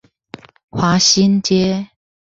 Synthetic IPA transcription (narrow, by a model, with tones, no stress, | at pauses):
xwa˨˦ɕi˦˥nt͡ɕjɛ˦